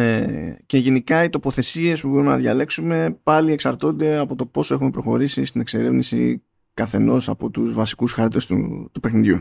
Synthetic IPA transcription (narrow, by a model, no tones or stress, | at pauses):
ece̞ʝe̞nikɐit̪o̞po̞θe̞sie̞spubo̞ɾume̞nɐ̰ðʝɐle̞ksume̞pɐlie̞ksɐɾt̪o̞nd̪e̞ɐpo̞t̪opo̞soe̞xume̞pɾo̞xo̞ɾisist̪ine̞kse̞ɾe̞vnisḭ | kɐθe̞no̞sɐpo̞t̪uzvɐsi̥kusxɐɾt̪e̞st̪ṵt̪upe̞xniðʝu